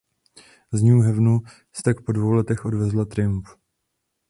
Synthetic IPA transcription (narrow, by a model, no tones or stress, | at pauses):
zɲuːɦɛvnu | st̪ak̚po̞dvo̞wlɛt̪ɛxʔo̞dvɛzlat̪ɾɪmp